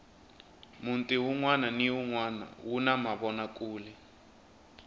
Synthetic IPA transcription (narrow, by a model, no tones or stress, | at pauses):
muntʼiɦuŋwananiuŋwana̰wunamaβɔnakʼuːlɛ